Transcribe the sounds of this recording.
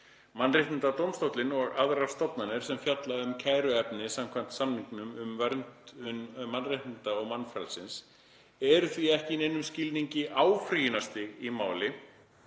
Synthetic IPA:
manrɪht̪ɪnt̪at̪owmst̪owt̪lɪnɔɣaðɾaɾ̥st̪ɔpnanɪɾ̥sɛmfjat̪laʏmcʰaːjɾʏɛpnɪsam̥kʰvan̥t̪samniŋknʏmʏmvɛɾnt̪ʏnmanrɪht̪nɪnt̪aɔɣmanfɾalsɪns | ɛɾʏθviɛhcɪnejnʏmscɪlniɲcɪʔaːwfɾijɪnast̪ɪɣimaːwlɪ

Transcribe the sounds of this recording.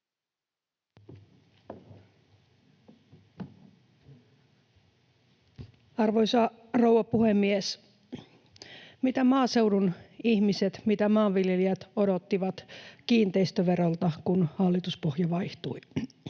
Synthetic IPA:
ɑrʋojsɑ | ro̞wʋɑpuhemːies | mit̪æmɑːse̞wdunihmiset̪mit̪æmɑːʋʋiljeliæt̪o̞do̞t̪ːiʋɑt̪kiːnt̪ejst̪øʋe̞ɾolt̪ɑkunhɑlːit̪uspohjɑʋɑjht̪uj

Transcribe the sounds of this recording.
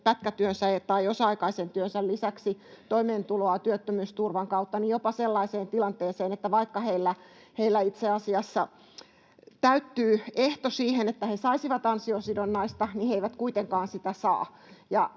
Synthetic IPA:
pæt̪kæt̪yønsæet̪ɑiosɑɑikɑisent̪yønsællisæksit̪oimeːnt̪uloɑt̪yøt̪ːømyːst̪urʋɑŋkɑut̪ːɑnijopɑselːɑiseːnt̪ilɑnt̪eːseːnet̪ːæʋɑikːɑheilːæ | heilːæit̪seɑsiɑsːɑ | t̪æyt̪ːyːeht̪osiːhenet̪ːæhesɑisiʋɑt̪ɑnsiosidonːɑist̪ɑniheiʋæt̪kuit̪eŋkɑːnsit̪æsɑ̰ː | jɑ

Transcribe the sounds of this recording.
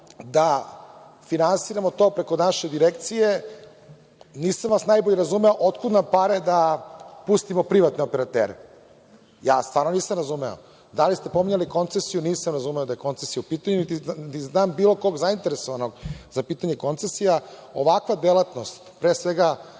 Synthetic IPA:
d̪a | finansiɾamo̞t̪o̞ːpɾe̞ko̞naʃed̪iɾekt̪sije | niːsamʋasnajboʎeɾazumeoʔot̪kud̪nampaɾed̪apust̪imopɾiʋat̪neopeɾat̪ḛːɾe | jaːst̪vʋaːɾnoniːsamɾazumeo̰ | d̪alist̪e̞po̞miɲaliko̞nt̪sesijuniːsamɾazumeod̪ajeko̞nt̪sesijaupiːt̪aɲunit̪it̪iznaːmbiːlˠo̞ko̞ɡzaint̪eɾesoʋano̞ɡzapiːt̪aɲe̞ko̞nt̪sesijaoʋakʋad̪elat̪no̞st̪pɾeːsʋeɡa

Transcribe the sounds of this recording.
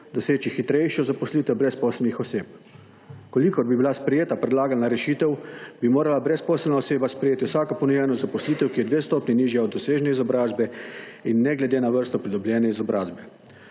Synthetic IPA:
d̪ɔseːt͡ʃixit̪ɾɛjʃjɔzapɔsliːt̪ɛwbɾɛspɔːsɛlnixɔseːp̚ | kɔlikɔɾbibilaspɾɛjeːt̪apɾɛd̪laːɡalnaɾɛʃiːt̪ɛwbimoːɾalabɾɛspɔːsɛlnaɔseːbaspɾɛjeːt̪iwsaːkɔpɔnɔjɛnɔzapɔsliːt̪ɛwkijɛd̪ʋeːst̪ɔːpniniːʒjaɔd̪ːɔseːʒnɛizɔbɾaːzbɛinːɛɡlɛd̪eːnaʋəɾst̪ɔpɾid̪ɔblʲjɛːnɛizɔbɾaːzbɛ

